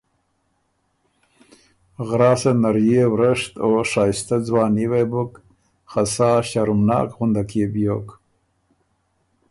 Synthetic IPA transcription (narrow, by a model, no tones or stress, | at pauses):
ɣɾɑːsanaɾjewɾəʂt̪oʂɑːjst̪ad͡zwɑːniwebʊk | xasɑːɕaɾumnɑ̰ːkɣʊnd̪akebjoːk